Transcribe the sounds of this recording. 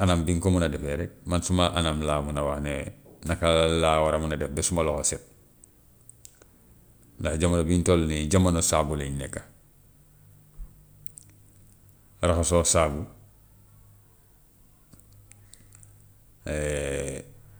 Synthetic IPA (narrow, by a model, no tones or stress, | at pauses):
anambiŋkomunadefeɾemansumaʔanamlaːmunawahnenakalawaɾamunadɛfbesumalohosit | ndahɟamanobintolniɟamːanosabuleɲnekːa | raxasosabu | e